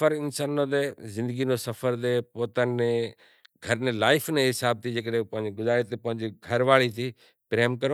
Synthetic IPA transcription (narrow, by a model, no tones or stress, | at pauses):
əɾɪnsaːnːõd̪eːzɪ̃nd̪əɡinosɐfʰəɾd̪eːpoːt̪ənne | ɡʱəɾnẽlaːɪfnẽɦɪsaːb̚t̪ʰid͡ʑeːkəɗɦẽpɐ̃ɦɪ̃ɲd͡ʑeɡʊzaːɾet̪epɐɦɪ̃ɲd͡ʑiɡʱɐɾʋaːɭit̪ʰiː | pɾeːmkəɾ